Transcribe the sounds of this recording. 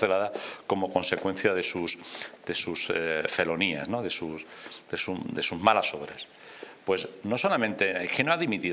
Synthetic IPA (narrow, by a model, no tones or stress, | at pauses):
θelaðako̞mo̞kõ̞nse̞kwe̞n̟θjaðe̞susd̪e̞susfe̞lo̞nia̰sno̞ðe̞susd̪e̞sud̪e̞suzmalaso̞βɾas | pwe̞sno̞so̞lamẽnt̪e̞ekenoaðimit̪i